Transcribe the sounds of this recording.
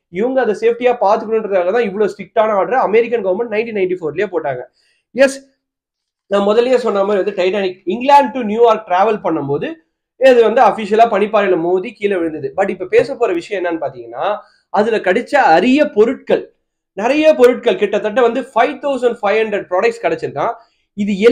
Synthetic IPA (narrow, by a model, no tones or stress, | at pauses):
ɪʋɐŋɡɐɐnd̪ɐseːfʈijaːpaːɾt̪ɯkːɐnɯnɾɐðɯkaːɣɐt̪ãːɪʋːɐɭoːsʈɪk̚ʈːaːnɐaːʈɾɐɐmɛɾɪk̬ːɐnɡɐʋɐɾmɛ̃ɳʈ̚nɐɪɳʈinɐɪɳʈifoːɾlɪjeːpoːʈːaːŋɡɐ | jɛs | nãːmɔðɐljeːsɔnːaːmaːɾiʋɐnd̪ɯʈɐɪʈaːnɪkɪŋɡlaːɳɖ̚ʈʊnjuːjaːɾk̚ʈɾaːʋɐlpɐɳːɐmpoːðɯ | ɐðɯʋɐnd̪ɯɐfɪʂɪjɐlaːpɐɳɪpːaːɾɛnɐmoːðikiːlɐʋɪɻɯnd̪ɐðɯbɐʈːɪpːɐpeːsɐpːoːɾɐʋɪʂɐj̃ɛnːɐːnːɯpaːɾt̪iːŋɡɐnːaː | ɐðɪlɐkɐɽɪt͡ʃːaɐɾɪjɐpɔɾɯʈ̚kɐɭ | nɪɾɐjɐpɔɾɯʈ̚kɐɭkɪʈːɐt̪ːɐʈːɐʋɐnd̪ɯfɐɪʋt̪ɐʊsɐɳɖfɐɪʋhɐɳɖɾɛɖ̚pɾaːɽɐk̚ʈskɐɽɛt͡ʃːɪɾɯkːãː | ɪðɯɛ